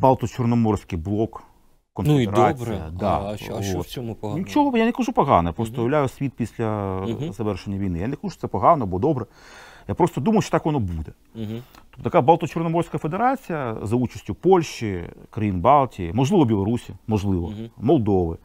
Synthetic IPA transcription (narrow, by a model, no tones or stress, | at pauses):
balˠt̪ɔt͡ʃɔrnɔmɔrsʲkɪjblˠɔk | kːɔnnfeedɾat͡sʲijjɐ̰d̪ɑ̰ʋot̪nʲit͡ʃɔɦɔjanekɐʐupɔɦɑ̰nɐjapɾost̪ɔjɐʋlʲajʊsʲʋʲit̪pʲisʲlʲɐzɐʋɛrʃenʲːɐʋʲijnɪjanɛkɐʒuʃt̪sɛpɔɦɑnɔb̪ˠɔd̪ɔbɾɛ | japɾost̪ɔd̪umɐjʊʃt͡ʃɔ̥t̪akʋɔnɔbud̪ɛ | ɔt̪ɐkabalˠt̪ɔt͡ʃɔrnɔmɔrsʲkɐfed̪eɾat͡sʲijɐzɐut͡ʃɐ̥sʲtʲʊpɔlʲʃikɾɐjinbɑlˠtʲḭmɔʒlˠɪʋɔbʲilˠɔɾusʲimɔʐlˠɪʋɔmɔlˠd̪ɔʋɪ